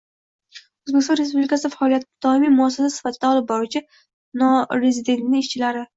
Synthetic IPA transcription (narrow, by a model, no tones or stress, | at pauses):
ɵzbest̪ɒnɾespublɪkʰasɪfaɒlijat̪ɪd̪ɒɪmimʊasːasasɪ̥fat̪ʰɪd̪aɒlˠɪp̚bɒɾut͡ʃʰɪ | nɒɾezɪd̪e̞nt̪nɪɪʃt͡ʃʰɪlaɾɪ